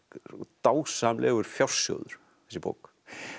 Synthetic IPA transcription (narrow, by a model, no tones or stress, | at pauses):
t̪aːwsamlʔɛːɣʏɾ̥fjawr̥sjɔ̰ːwðʏɾ̥ | θɛsɪbo̰ːwk